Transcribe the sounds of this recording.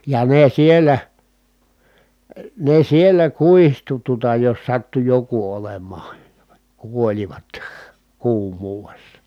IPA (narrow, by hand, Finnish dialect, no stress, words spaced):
jɑ ne sielˑæ ne sielˑæ kuihtu tuŏtɑ jos sɑtːu joku olemˑɑːn̞ kuolʲiʋɑt kuːmˑuːʋesːɑ